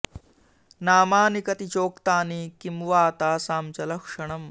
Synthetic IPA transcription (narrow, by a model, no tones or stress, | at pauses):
naːmaːnikɐt̪it͡ʃoːkt̪aːnikimʋaːt̪aːsaːmt͡ʃɐlɐkʂɐɳɐm